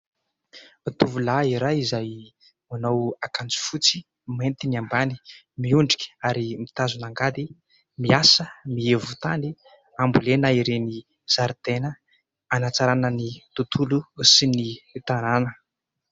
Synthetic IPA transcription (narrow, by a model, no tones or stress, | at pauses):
at̪uvulaiɾaizaj | manowakand͡zi̥fut͡si̥ | ment̪iniambani̥ | miuɳɖ͡ʐi̥kʲə̥aɾimit̪azunaŋɡad̪i | miasəmievut̪ani | ambulenaiɾeni | z̥aɾd̪enə | anat͡saɾanənit̪ut̪ʰulusinit̪ananə